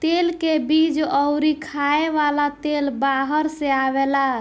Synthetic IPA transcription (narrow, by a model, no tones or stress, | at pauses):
t̪elkebid͡ʒəʊɾikʰaeʋalat̪elbaɦəɾseaβela